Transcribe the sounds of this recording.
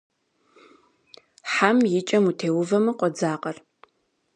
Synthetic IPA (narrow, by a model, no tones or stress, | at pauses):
ħamjɪt͡ʃʼɐmutʰeːwʊvɐmɨqʷʼɔd͡zaːqʼɐr